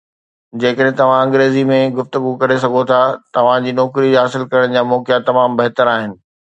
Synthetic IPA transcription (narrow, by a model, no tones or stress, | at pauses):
d͡ʑeːkəɗɦ̆t̪ɐʋ̤ãɐ̃ŋɡɾeːzimẽɡʊft̪ʊɡukɐɾesɐɡʱot̪ʰat̪ɐʋ̤ãd͡ʑiːnɔːkɾiɦaːsɪlkɐɾəɽ̃d͡ʑaːmɔːkɪjat̪ɐmaːmbɐɦt̪əɾaːɦɪnɪ̆